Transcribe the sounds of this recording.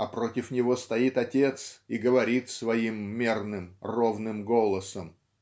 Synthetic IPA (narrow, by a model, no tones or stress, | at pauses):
ɐpɾo̞tʲɪfnʲɪvo̞st̪ɐit̪ɐtʲe̞t̪siɡəvɐɾʲit̪svɐimːʲernɨmro̞vnɨmɡo̞lˠəsəm